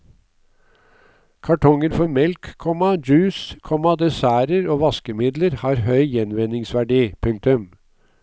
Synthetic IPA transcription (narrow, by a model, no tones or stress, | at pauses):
kʰɑʈʰɔŋəɾfɔɾmɛlkkʰːɔmɑd͡ʒʉːskʰɔmɑd̪ɛsæːɾəɾoːʋɑskəmɪd̪ləɾhɑːɾhœʏjɛnʋɛnɪŋsʋæɖiːpʰʉŋk̚t̪ʉm